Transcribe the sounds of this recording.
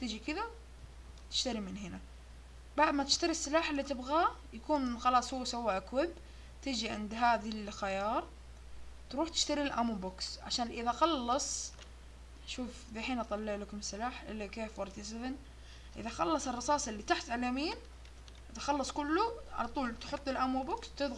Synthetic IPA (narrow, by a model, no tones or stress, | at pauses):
t̪ɪd͡ʒikɪða | t̪ɪ̥ʃt̪aɾimɪnɦɪna | baʕd̪mat̪ɪ̥ʃt̪aɾisːɪlaːħɪlːit̪ɪbɣajakuːnxɑlɑːsˤhuwːsawːaʔakwɪb | t̪ɪd͡ʒiʕɪ̰nd̪ɦaːðilxajɑːɾˤ | t̪ɾuːħt̪ɪ̥ʃt̪aɾilʔamubʊksʕa̰ʃaːnʔɪðaxɑlːɑsˤ | ʃuːfbiħiːnʔɑt̪ˤɑlːɪʕlakʊmɪsːɪlaːħʔɪ̰lːakeːfwɑɾˤt̪ɪsɪðɪn | ʔɪ̰ðaxɑlːɑsˤɨrˤːɑsɑːsˤɪlːit̪aħt̪ʕalaːmiːn | ʔt̪xɑlːɑsˤkʊlːuʕa̰lat̪ˤuːlt̪ħʊt̪ˤːɪlʔamubʊkst̪ɪd̪ɣ